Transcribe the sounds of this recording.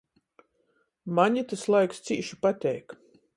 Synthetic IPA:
maɲit̪aslˠajkst̪siːʃu̥pat̪ʲɛjk

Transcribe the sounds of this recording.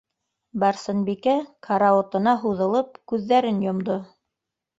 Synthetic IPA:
bɑɾsɤ̆nbikækʰɑɾɑŏt̪ɤ̆nɑɦuðɤ̆lˠɤp̚kʉðːæɾɘnjŏmd̪o

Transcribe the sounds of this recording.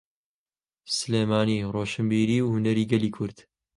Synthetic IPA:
sɨleːmaːniːroːʃɨmbiːɾiːwhunɐɾiːɡɐliːkʰʊɾd̪̥

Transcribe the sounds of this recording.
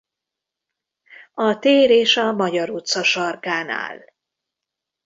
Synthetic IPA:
ɒt̪eːɾeːʃɒmɒɟɒɾut̪sɒʃɒrkaːna̰ːl

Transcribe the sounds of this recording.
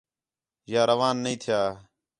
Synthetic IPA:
jaːɾəʋaːnːəĩːt̪ʰɪjaː

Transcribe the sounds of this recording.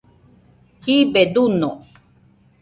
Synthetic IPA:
kibed̪uno

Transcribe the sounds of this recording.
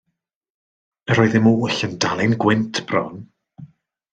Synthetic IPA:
əɾɔːɨðɪmuʊɬəndalˠɪnɡwɪntʰb̥rɔ̰n

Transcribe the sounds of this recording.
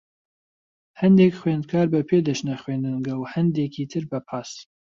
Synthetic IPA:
hɐnd̪ekxwend̪kʰaːɾbɐpʰeːd̪ɐʃnɐxweːnd̪ɨnɡɐwhɐnd̪eːkʰit̪ʰɨɾbɐpʰaːs

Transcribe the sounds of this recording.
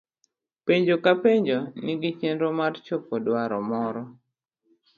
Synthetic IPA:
peɲd͡ʒokapeɲd͡ʒonɪɡɪt͡ʃenɾomart͡ʃopɔdwaɾɔmɔɾɔ

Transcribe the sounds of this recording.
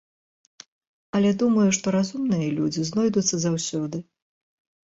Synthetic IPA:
ɐlʲɛd̪umɐjuʂt̪ɔɾazumnɨjɐlʲud͡zʲiznɔjd̪ut̪sːɐzawsʲɔd̪ɨ

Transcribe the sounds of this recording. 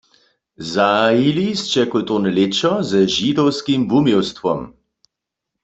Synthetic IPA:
zailist͡ʃɛkɔlt̪onɛlet͡ʃɔzəʒid̪ɔwskimbumjɛwst̪ʋɔm

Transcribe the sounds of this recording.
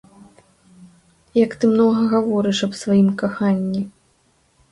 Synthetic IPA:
jɐkt̪ɨmnɔɣɐɣavɔɾɨʂɐbsvajimkaxanʲːi

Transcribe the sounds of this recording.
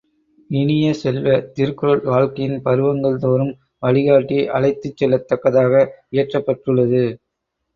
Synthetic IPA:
ɪnɪjɐsɛlʋɐt̪ɪɾɯkɯɾɐɭʋaːɻkɐjɪnpɐɾɯʋɐŋɡɐɭt̪oːɾɯm | ʋɐɭɪɣaːʈːiʔɐɭɐɪt̪ːɯt͡ʃːɛlːɐt̪ːɐkːɐðaːɣɐɪjɐʈrɐpːɐʈrɯɭːɐðɯ

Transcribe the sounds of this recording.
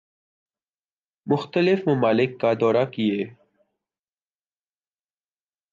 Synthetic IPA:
mʊxt̪əlɪfmɐmaːlɪkːad̪ɔːɾakieː

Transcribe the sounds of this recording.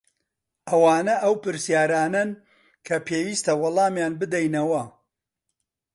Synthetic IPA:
ʔɐwaːnɐʔɐwpɨɾsjaːɾaːnɐn | kʰɐpʰeːwiːst̪ɐwɑlˠɑːmjaːnbɨd̪ɛjnɐwɐ

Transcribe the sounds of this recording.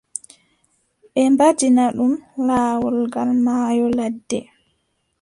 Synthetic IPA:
ɓɛmbad͡ʒinaɗumlaːwɔlɡalmaːjɔladːɛ

